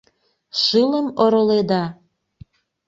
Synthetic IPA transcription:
ʃɨləmoɾoled̪ɑ

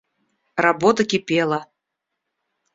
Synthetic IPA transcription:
rabɔt̪ɐkʲipʲɛlˠɐ

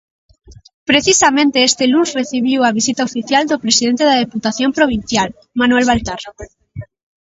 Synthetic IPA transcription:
pɾeθisamẽnt̪eest̪elunsreθiβ̞iwaβ̞isit̪aofiθjald̪opɾesiðent̪eðað̞eput̪aθjompɾoβ̞inθjal | manwelβalt̪ar

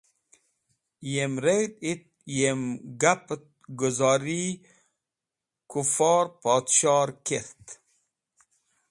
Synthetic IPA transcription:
jemɾejd̪it̪̚ | jemɡapt̪ | ɡuzɔɾi | kufɔːɾpɔt̪ʃɑɾkeɾt̪

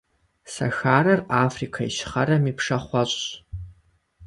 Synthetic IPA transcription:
sɐ̰xaːɾɐraːfrikʰaiʃɪ̥χɐɾɐmipʰʂɐχʷɑɕʼ

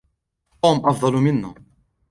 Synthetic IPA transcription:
t̪uːmʔɑfd̪ˤɑlmɪnːa̰

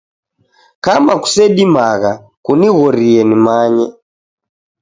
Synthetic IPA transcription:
kamaku̥sɛɗimaɣa | kuniɣɔɾiɛnimaɲɛ

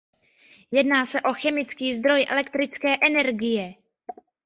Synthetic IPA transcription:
jɛdnaːsɛʔo̞xɛmɪt͡skiːzd̪ɾo̞jʔɛ̰lɛkt̪ɾɪt͡skɛːʔɛnɛɾɡɪjɛ

